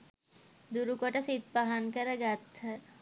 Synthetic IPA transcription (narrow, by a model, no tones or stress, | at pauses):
d̪uɾukoʈəsit̪paɦankəɾəɡat̪ʰhə